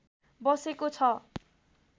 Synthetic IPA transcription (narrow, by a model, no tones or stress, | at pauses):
bʌsekot͡sʰʌ